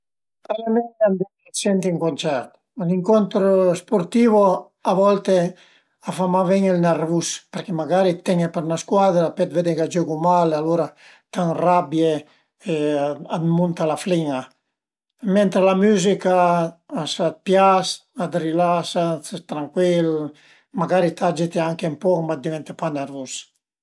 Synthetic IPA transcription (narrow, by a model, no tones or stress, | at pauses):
palamɛnand̪ɛesɛnt̪iiŋkont͡ʃɛɾt̪ | liŋkont̪ɾospoɾt̪ivo | avɔlt̪e | afamavɛɲelnarvuspeɾkemaɡaɾit̪ɛŋepeɾnaskwad̪ɾapɛt̪ved̪eɡad͡ʒoɡumalaloɾa | t̪aŋrabje | ead̪munt̪alafliŋa | mɛnt̪ɾelamyzikaasat̪̚pjasad̪ɾilasat̪ɾaŋkwil | maɡaɾit̪ʰad͡ʒet̪eaŋkempɔkmad̪ivɛnt̪epaneɾvus